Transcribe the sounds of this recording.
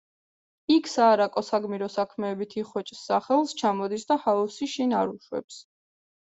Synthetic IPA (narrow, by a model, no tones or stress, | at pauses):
ikʰsaːɾakʼɔsaɡmiɾɔsakʰmɛːbit̪ʰiχwɛt͡ʃʼsːaχɛlˠst͡ʃʰamɔd̪isd̪ahausiʃinaɾuʃwɛ̰ps